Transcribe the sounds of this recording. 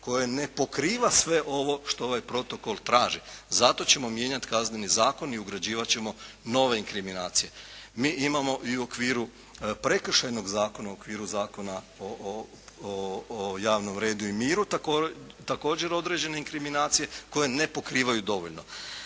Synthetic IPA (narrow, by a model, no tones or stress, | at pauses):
ko̞jene̞po̞kɾiːʋasʋe̞ʔo̞ʋo̞ʃt̪o̞oʋajpɾo̞t̪o̞ko̞lˠt̪ɾaːʒizat̪o̞t͡ɕemo̞mje̞ːɲat̪kazne̞nizaːko̞niuɡɾad͡ʑiːʋat͡ɕe̞mo̞ | no̞ʋe̞iŋkɾiminaːt̪sije̞miːʔimamo̞ʔiuo̞kʋiːɾu | pɾe̞kr̩ʃajno̞ɡzaːko̞naookʋiːɾuzaːko̞na | o | jaːʋno̞mɾe̞ːd̪uimiːɾut̪akot̪ako̞ːd͡ʑe̞ɾo̞d̪ɾe̞d͡ʑe̞ne̞iŋkɾiminaːt̪sije̞ko̞je̞ne̞po̞kɾiːʋajud̪o̞ʋoʎno